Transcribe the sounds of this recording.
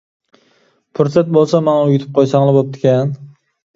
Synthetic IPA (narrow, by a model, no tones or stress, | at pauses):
pʰʊɾsat̪̚bolˠsamanaʊjɪt̪ʰɪ̥p̚qʰojsaŋlɪbop̚t̪ɪ̥kʲan